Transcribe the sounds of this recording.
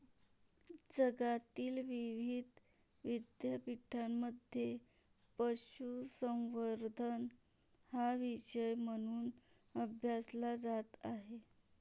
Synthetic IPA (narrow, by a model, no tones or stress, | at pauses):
d͡zəɡat̪iːlʋiʋid̪ʱ | ʋid̪japiʈʰamːəd̪ʱje | pəɕusə̃w̃ʋəɾd̪ʱən | haʋiɕəjm̤əɽ̃uːnəbʱjaslad͡zat̪aɦe